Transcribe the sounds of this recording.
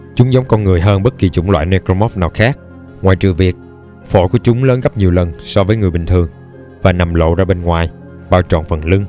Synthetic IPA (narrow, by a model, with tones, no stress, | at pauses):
t͡ɕʊ˨˦ŋ͡mza˨˦wŋ͡mkɔ˧nŋɨ˨˩əjɦəː˧nɓə˦˥t̚ki˨˩t͡ɕʊ̰˧˩˦ŋ͡mlwa̰ː˧˨jne˧ko˧mɔ˦˥p̚naː˨˩wxaː˦˥k̚ | ŋwaː˨˩jt͡ɕɨ̰˧˨vi˨˩ək̚ | fo̰˧˩˦ku˧˩ət͡ɕʊ˨˦ŋ͡mləː˨˦nɣa˦˥p̚ɲi˨˩əwlə˨˩nsɔ˧vəː˨˦jŋɨ˨˩əjɓï˨˩ŋ̟t̪ʰɨ˨˩əŋ | vaː˨˩na˨˩mlo̰˧˨zaː˧ɓe˧nŋwaː˨˩j | ɓaː˧˩wt͡ɕɔ̰˨˩nfə˨˩nlɨ˧ŋ